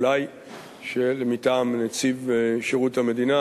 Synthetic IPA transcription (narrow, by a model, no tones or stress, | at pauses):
laj | ʃelemitaːmnet͡sivʃeʁuthame̞d̪ina